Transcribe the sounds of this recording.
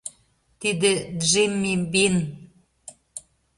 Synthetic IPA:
t̪id̪ed̪ʒimːimbin

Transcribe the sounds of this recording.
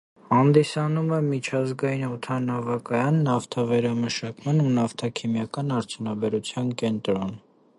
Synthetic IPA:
hɑnd̪isɑnumɛmit͡ʃʰɑzɡɑjinɔt̪ʰɑnɑvɑkɑjɑnːɑft̪ʰɑvɛɾɑməʃɑkmɑnunɑft̪ʰɑkʰimjɑkɑnɑɾt͡sʰjunɑbɛɾut͡sʰjɑnkɛnt̪ɾɔn

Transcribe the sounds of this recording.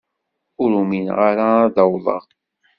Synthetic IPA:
ʊɾuminʁaɾaːðɑwðˤə̰ʁ

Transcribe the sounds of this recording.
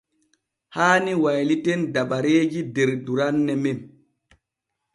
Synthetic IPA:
haːniwajlitendaɓaɾeːd͡ʒideɾduɾanːɛmem

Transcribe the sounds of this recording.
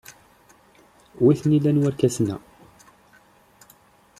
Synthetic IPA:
wiθnilænwæɾkæsnæ̰

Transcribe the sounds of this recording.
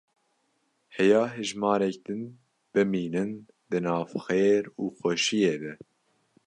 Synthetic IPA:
hɛjɑːɦɨʒmɑːɾɛk̚d̪ɨn | b̥ɨmiːnɨn | d̪ɨnɑːvxeːɾuːxʷɛʃijeːbɛ

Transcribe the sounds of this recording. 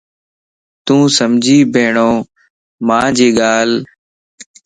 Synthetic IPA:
t̪ũːsəmd͡ʒʱiːbʱeːɳoː | mãːd͡ʒeːɠaːl

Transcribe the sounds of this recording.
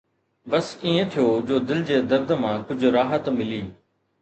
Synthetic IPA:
bɐsĩːẽt̪ʰijoːd͡ʑoːd̪ɪld͡ʑeːd̪ɐɾd̪mãːkʊd͡ʑʱʊɾaːɦət̪mɪliː

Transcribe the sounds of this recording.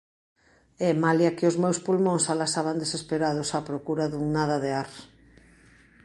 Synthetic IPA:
ɛmaljakɪozmewspulmõŋsalasaβand̪esespeɾað̞ʊsapɾokuɾaðuŋnaðɐðeaɾ

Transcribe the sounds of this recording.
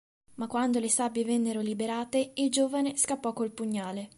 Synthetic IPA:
makwand̪olesabevɛnːeɾolibeɾaːt̪eild͡ʒoːvaneskapːɔkːolpuɲːaːle

